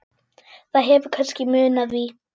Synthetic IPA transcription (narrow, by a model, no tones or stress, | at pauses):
θaðɦɛvʏkʰœnscɪmʏːnaðvi